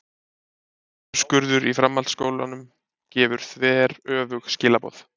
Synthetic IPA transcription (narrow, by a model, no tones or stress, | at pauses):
skʏɾðʏɾifɾamːalt̪skoːwlanʏm | cɛːvʏɾ̥θvɛːɾœːvʏxscɪːlapɔ̰θ